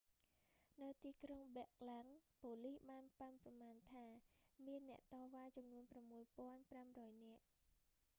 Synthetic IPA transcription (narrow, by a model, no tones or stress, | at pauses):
nɨwt̪iːkrɔŋɓɛək̚laŋpoːlihɓaːnpanprɑmaːnt̪ʰaːmiənːɛ̆əʔt̪ɑːʋaːt͡ɕɑmnuənpramːuəjpŏənpramrɔːjnɛ̆əʔ